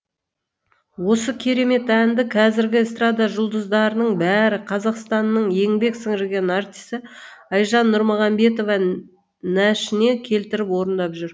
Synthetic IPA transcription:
wo̞səkʲʰe̞ɾe̞me̞t̪ænd̪ɪqʰɑzɪɾɡʲɪst̪ɾad̪ɑʒʊlˠd̪əzd̪ɑɾənəɴbæɾɪqʰɑzɑqst̪ɑnːəɴje̞ŋbe̞ksəŋʒɪɡʲe̞nart̪ʲisə | ɑjʒɑnːʊɾməʁɑmbe̞t̪̬o̞vɑ | næʃɪne̞kʲʰe̞lt̪ɪɾɪpwo̞ɾənd̪ɑpʒʏɾ

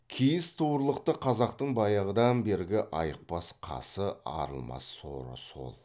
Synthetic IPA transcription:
kʲʰijɪst̪ʰuɾlˠəq̚t̪əqʰɑzɑqt̪əɴbɑjɑʁəd̪ɑnbe̞ɾɡʲɪʔɑjəq̚pɑsqʰɑ̰səɑ̰ɾə̰lˠmɑ̰sːo̰ɾə̰so̞̰lˠ

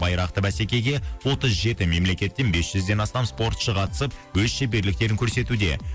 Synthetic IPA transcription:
bɑjɾɑq̚t̪əbæsekʲe̞ɡʲe̞wo̞t̪əzʒe̞t̪ɪme̞mle̞kʲe̞t̪ːe̞nbe̞sʒ̥ʏzd̪e̞nɑst̪ɑmspo̞ɾt̪ʃəqʰɑt̪ə̥səp̚wɵzʃebeɾlɪk̚t̪e̞ɾɪŋkʰʲɵɾse̞t̪ud̪e̞̰

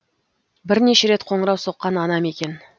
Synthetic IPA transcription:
bɪɾne̞ʃe̞ɾe̞t̪qʰo̞ɴəɾɑwso̞qːɑnɑnɑme̞kʲe̞n

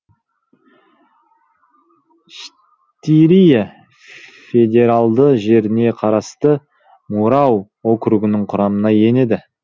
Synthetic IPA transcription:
ʃ | t̪iɾija | fe̞d̪ʲe̞ɾɑlˠd̪əʒe̞ɾɪne̞qʰɑɾɑst̪ə | muɾɑw | okɾuɡʲɪnɪɴqʰʊɾɑmənɑje̞ne̞d̪ɪ

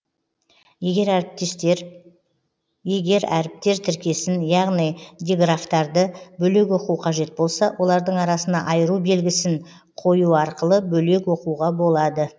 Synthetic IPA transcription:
eɡʲe̞ɾɾp̚t̪st̪ɾ | je̞ɡʲe̞ɾæ̰ɾɪp̚t̪e̞ɾt̪ʰɪɾkʲe̞sɪnjɑʁnijd̪ʲeɡraft̪ɑɾd̪əbɵle̞k̬wo̞quwqʰɑʒe̞t̪̚bo̞lˠsɑwʔo̞lˠɑɾd̪əɴɑɾɑsənɑʔɑjəɾube̞lɡʲɪsɪŋ | qʰo̞juɑɾqəlˠəbɵle̞kwo̞quʁɑbo̞lˠɑd̪ə

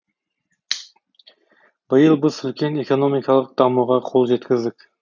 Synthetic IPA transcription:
bɨjɨlˠbɪzʏlʲkʲʰenekonomikʰɑlˠəq̚d̪̥ɑmuʁɑqʰolˠʒet̪kʲɪzd̪ɪkʲ

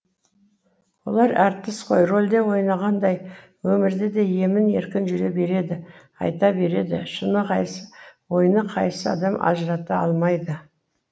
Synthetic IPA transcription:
wo̞̰lˠɑɾæɾt̪ːɪsqʰo̞jro̞lʲd̪e̞wo̞jnɑʁɑnd̪ɑj | wɵmɪɾd̪ed̪e̞je̞mɪne̞̰ɾkʲɪnʒʏɾebe̞ɾe̞d̪ɪ | ɑ̰jt̪ɑbe̞ɾe̞d̪ɪ̰ʃənəqʰɑjsə̥wo̞jnəqʰɑjsəɑ̰d̪ɑmʔɑ̰ʒəɾɑt̪əɑlˠmɑjd̪ə

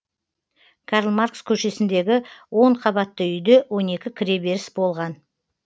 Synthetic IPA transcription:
kʰɑɾəlˠmaɾkskʲʰɵʃe̞sɪnd̪e̞ɡʲɪwo̞ɴqʰɑbɑt̪ːəʏjd̪e̞wo̞ne̞kʲɪkʲʰɪɾe̞be̞ɾɪsbo̞lˠʁɑn

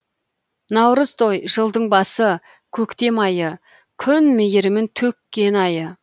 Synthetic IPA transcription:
nɑwɾəzt̪ʰo̞jʒəlˠd̪əɴbɑsə | kʲʰɵkt̪e̞mɑjə | kʲʰʏnmejɪɾɪmɪnt̪ʰɵkʲːe̞nɑjə

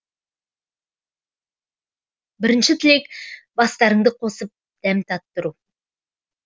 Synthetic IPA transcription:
bɪɾɪnʃɪt̪ʰɪle̞kbɑst̪ɑɾəɴd̪əqʰo̞səp̚ | d̪̥æmt̪ʰɑp̚t̪ːʊɾu

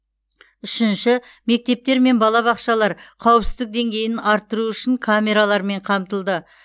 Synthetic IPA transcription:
ʏʃɪnʃɪ | me̞k̚t̪e̞p̚t̪e̞ɾme̞nbɑlˠɑβɑqʃɑlˠɑɾqʰɑwəpsɪzd̪ɪk̚d̪e̞ŋɡʲe̞jɪnɑɾt̪ːəɾuʏʃɪŋkʰamʲe̞ɾalˠɑɾme̞ɴqʰɑmt̪əlˠd̪ə

